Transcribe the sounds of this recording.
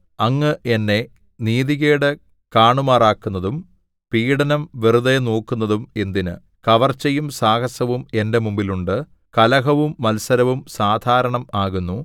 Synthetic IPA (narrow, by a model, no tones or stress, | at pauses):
ɐŋːɨʔe̞nːe̞ | niːðiɣeːɽe | kaːɳumaːraːkːunːɐðum | piːɽɐnɐmʋiruðenoːkːunːɐðume̞nd̪inɨ̰ | kɐʋɐrt͡ɕːɐjumsaːkɐsɐʋume̞nde̞mumbiluɳɖɨ | kɐlɐɦɐʋumːɐlsɐɾɐʋumsaːd̪ʱaːɾɐɳɐmaːɣunːu